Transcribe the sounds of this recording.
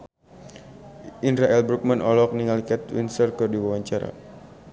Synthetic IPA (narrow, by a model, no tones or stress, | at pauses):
ʔinɾaʔɛlbɾuk̚manʔɔlɔk̚niŋalikat̪wḭnsərkɨrdiwawaɲt͡ʃaɾa̰